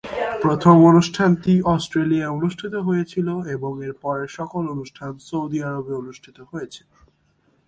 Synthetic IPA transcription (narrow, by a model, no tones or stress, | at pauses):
pɾot̪ʰomonuʃʈʰant̪iɔsʈɾeliaeonuʃʈʰit̪oɦojet͡ɕʰiloeboŋeɾpɔɾeʃɔkolonuʃʈʰansowd̪iaɾobeonuʃʈʰit̪oɦoet͡ɕʰe̥